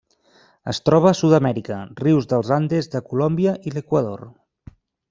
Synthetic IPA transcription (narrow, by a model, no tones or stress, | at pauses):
ə̰st̪ɾɔβ̞əsuðəmɛɾikəriwzðəlˠzand̪ezðəkulɔmbiəʔiləkwəðor